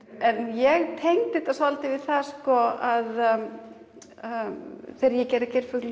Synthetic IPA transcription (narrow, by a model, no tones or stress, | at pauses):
ɛnjɛɣt̪ʰejŋt̪ɪt̪asalt̪ɪvɪðθaskɔað | θeːɾajɛcɛɾɪcɛɾfʏkl